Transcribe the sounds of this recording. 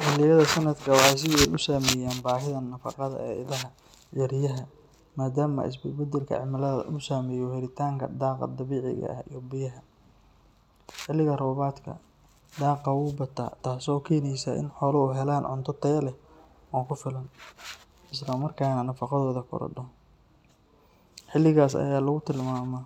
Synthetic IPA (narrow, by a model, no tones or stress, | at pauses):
ʔʊlɪjɐðɐsɐnɐd̪kʰɐwɑħɑjs̬ɪðɪɛjʊsaːmɛːjaːnbaːɦɪðɐnɐfɑ̰qɑðɐ̰ɛ̰ːɪ̰ðɐɦɐ | jɐɾɪjɐɦɐ | maːd̪aːmɐ̰ʔɪ̰s̬bɪbɐd̪ɛlkʰɐ̰ʕɪmɐlɐðɐ̰ʔʊsaːmɛjɔhɛɾɪt̪ʰaːŋkʰɐ̰d̪ɑːqɑ̰d̪ɐβiːʕɪ̰ɣɐ̰ʔɐhijɔbɪjɐɦɐ | ħɪlːɪɣɐrɔːβaːd̪kʰɐ̰ | d̪ɑːqɑwʊːbɐt̪ʰa̰ːt̪ʰaːsɔːkʰɛːnɛjsa̰ːʔɪ̰nħɔːlɐuɦɛlaːnʕʊ̰nt̪ʰɔt̪ʰɐjɐlɛ | aːkʰʊfɪlɐn | ʔɪslɐmɐrkʰaːnɐnɐfɑqɑðɔːðɐkʰɔ̰ɾɔ̰ɖɔ | ħɪlːɪɣaːsɐ̰jaːlɐɣʊt̪ʰɪlmaːmɐ